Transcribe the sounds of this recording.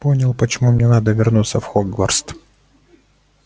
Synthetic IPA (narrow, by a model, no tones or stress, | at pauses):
po̞nʲɪlˠpət͡ɕɪmumnʲenad̪əvʲɪrnut̪səfxoɡvərst̪